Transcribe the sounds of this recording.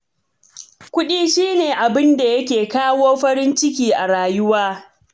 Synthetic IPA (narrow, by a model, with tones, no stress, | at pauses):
kʷʊ˦ɗiː˦ʃiː˦neː˨ʔa˨bɪ˦nda˨jɐ˦kʲeː˨kaː˦woː˦ɸɐ˦ɾɪ˦nt͡ʃɪ˦kʲiː˦ʔa˨ɽaː˨jʊ˦waː˦